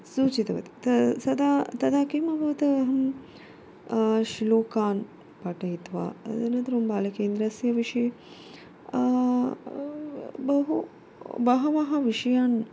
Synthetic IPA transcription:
suːt͡ʃit̪ɐʋɐ̰t̪i̥t̪ɐsɐd̪aːt̪ɐd̪aːkiːmɐbʱɐʋɐt̪ɐɐɦɐm | ʃloːkaːn | pɐʈɐɦit̪ʋa̰ːenɐnt̪ɐɾumbaːlɐkeːnd̪ɾɐsjɐʋiʂi | bɐɦu | bɐɦɐʋɐɦɐʋiʂɐjaːn

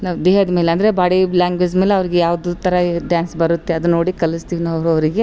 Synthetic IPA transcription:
nɐd̪eːɦɐd̪ɐmeːleɐnd̪ɐɾebaːɽilaːŋɡʋed͡ʒmeːleɐʋɾiɡejaːʋɐd̪ut̪ɐɾɐɖjaːnsbɐɾut̪ːeɐd̪unːo̞ːɽikɐlist̪iːʋnɐɐʋɾuɐʋɾiɡe

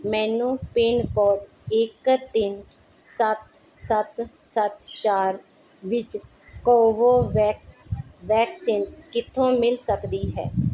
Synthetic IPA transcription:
mɛ̃ːnũːpeːnkɔːɖ | ɪkt̪ɪn | sət̪ | sət̪sət̪t͡ʃaːɾ | ʋɪt͡ʃ | kɔːʋoːʋɛːksʋɛːksiːnkɪt̪ʰːõːmɪlsəkd̪iːɦɛ̰ː

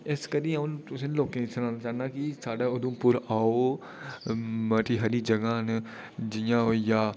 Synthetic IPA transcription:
ɪskəɾĩːãʊ̃nt̪ʊsẽnloːkẽsʰnaːnat͡ʃaːnaːkisaːɖaːʊd̪ũːpʊɾaːo | məʈiːɦɐɾiːd͡ʒɐɡãːn | d͡ʒɪjãːojaː

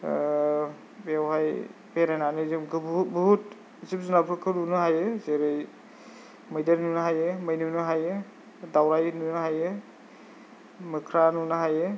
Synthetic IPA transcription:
bewɦajpeɾananɯzɯmɡɯbubɔɦut | zip̚zunapʰɾɯkʰɯnunɯɦajezeɾɯj | mɯjdaɾnunɯɦajemɯjnunɯɦaje | dawɾajnunɯɦaje | mɯkʰɾanunɯɦaje

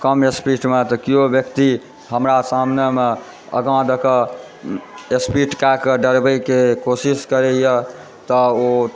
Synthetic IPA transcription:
kəmespiʈmet̪ɔkiobjəkt̪i | ɦəmɾasamneme | ə̰ɡãd̪əkə | espiʈkakəɖəɾbəjkekosiskəɾɛjə | t̪əo

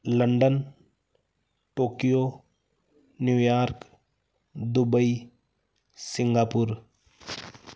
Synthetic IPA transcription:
ləɳɖən | ʈoːkijo | njuːjaːɾk | d̪ʊbəi | sɪŋɡaːpʊɾ

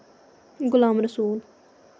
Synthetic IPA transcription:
ɡʊlaːmɾəsuːl

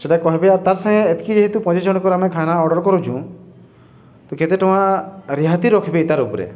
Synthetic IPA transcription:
seʈakɔɦebeaɾt̪aɾsãɦẽet̪kid͡ʒeɦit̪upɔ̃d͡ʒed͡ʒɔɽ̃kɔɾamẽkʰanaɔɽɔɾkɔɾud͡ʒʰũ | t̪ɔket̪eʈɔ̃wãɾiɦat̪iɾɔkʰibeit̪aɾupɾḛ

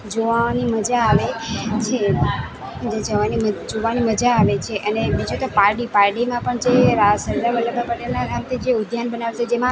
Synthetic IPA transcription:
d͡ʒoʋaniməd͡ʒaːʋet͡ʃʰe | d͡ʒed͡ʒəʋaniməd͡ʒoʋaniməd͡ʒaːʋet͡ʃʰeʔənemĩd͡ʒot̪opaɾɖipaɾɖimãpəɳt͡ʃʰeɾasəɾd̪abəlːəbʱapəʈelnaɾamt̪ʰid͡ʒeʊd̪ʱjanbənaʋet͡ʃʰed͡ʒemã

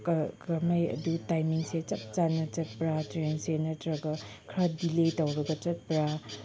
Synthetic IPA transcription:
kkamajɐ̰dutajmiŋset͡ʃɐp̚t͡ʃanɐt͡ʃɐt̚pɾatɾensenɐtɾɐɡɐ | kʰɾadiletawɾɐɡɐt͡ʃɐt̚pɾa

